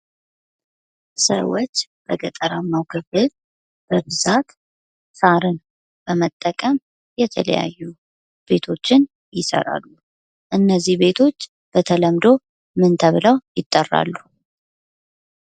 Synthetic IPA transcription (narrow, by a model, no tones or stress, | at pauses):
sə̰wot͡ʃːb̥əɡət̪ʼəɾamːawkʰɨfɨl | b̥əβɨzat̪ | saɾɨn | b̥əmət̪ʼːəkʼəm | jɛt̪ʰələ̰ja̰jːu | b̥e̞t̪ʰo̞t͡ʃːɪn | jɪsə̰ɾa̰lːu | ʔɨnːəzːihbe̞t̪ʰo̞t͡ʃː | b̥ət̪ʰələmd̪o̞ | mɨnt̪ʰəβɨləwjɪt̪ʼːərːa̰lːu